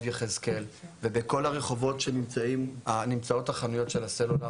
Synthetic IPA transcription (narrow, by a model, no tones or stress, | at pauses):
djeχezke̞lvebeko̞laʁe̞χo̞vo̞tʃe̞nimt͡saimanimt͡sao̞thaχanujo̞tʃe̞laselola